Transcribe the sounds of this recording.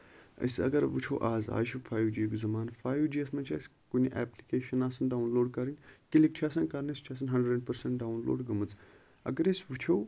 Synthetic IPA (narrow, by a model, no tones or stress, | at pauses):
ɐ̰sɐ̰ɡɐɾʋɨt͡ʃʰo̰ːʔaːza̰ːʃufʰaːjwd͡ʒikʲuzɐmaːnfaːjʋd͡ʒiːɐsmɐt͡ʃʰa̰ːs | kunʲiʔɛ̰ːplikeːʃɐnaːsɐnɖaːwunloːɖkɐɾinkilik̚t͡ʃʰiaːsɐnkɐɾnest͡ʃʰaːs̬ɐnɦɐɳɖəɖɐɳʈpɐɾsɐɳʈ̚ɖaːunlo̰ːɖɡɐmɨt͡s | ɐ̰ɡɐɾesʋut͡ʃʰow